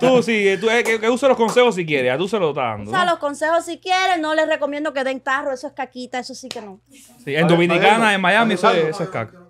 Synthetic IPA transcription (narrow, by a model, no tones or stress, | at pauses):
t̪usiet̪uekekeuselohko̞nsehos̬ikjeɾesat̪uus̬eloot̪aa̰nd̪osalo̞sko̞nsehosikjeɾesnole̞srekomjend̪o̞ke̞ðeŋt̪aroesoehkakit̪aesosikeno | siẽnd̪omĩnikanaemajamiesoeesoehka̰kḁ